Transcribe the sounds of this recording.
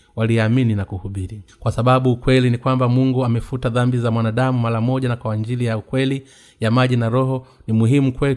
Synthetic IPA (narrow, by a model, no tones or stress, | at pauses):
waliamininakuhuɓiɾikwasaɓaɓuːkwɛlinikwambamuŋɡuamɛfutaðambizamwanaɗamumaɾamɔʄanakwawaɲd͡ʒilijaukwɛli | jamaʄinaɾɔɦɔ | nimuɦimukwɛ